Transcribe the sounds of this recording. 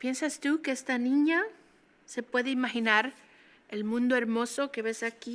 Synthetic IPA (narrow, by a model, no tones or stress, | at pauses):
pje̞nsast̪uke̞est̪anĩɲa | se̞pwe̞ðe̞imaxinaɾ | elmũnd̪o̞e̞ɾmo̞so̞ke̞βe̞saki